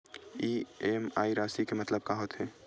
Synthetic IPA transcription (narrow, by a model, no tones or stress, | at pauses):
iːemaːiɾaːsikemɐt̪ləb̚kaɦoːt̪ɦɛː